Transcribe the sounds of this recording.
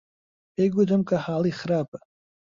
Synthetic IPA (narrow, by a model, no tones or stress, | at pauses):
eɡʷʊdamkʼaħaːliχrapʼa